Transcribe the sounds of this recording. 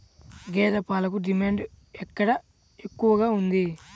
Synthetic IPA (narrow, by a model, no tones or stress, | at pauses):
ɡɛːɾɐpaːlɐk̬uɖimaːɳɖ | ɛkːɐɽɐ | ekːuʋɐɡaːund̪i